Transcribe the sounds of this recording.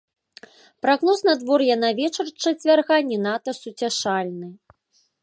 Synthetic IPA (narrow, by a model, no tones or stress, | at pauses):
pɾaɣnɔsnad̪vɔrjanavʲɛt͡ʂɐrt͡ʂɐt͡sʲvʲarɣanʲːɛnat̪ɐsut͡sʲaʂalʲnɨ